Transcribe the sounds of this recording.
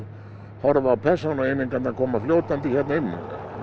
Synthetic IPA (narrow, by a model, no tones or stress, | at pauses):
hɔɾvawpʰɛsanaenːɪŋkanakʰɔːmːafljoːwt̪ant̪içɛt̪naʏmːa̰ka̰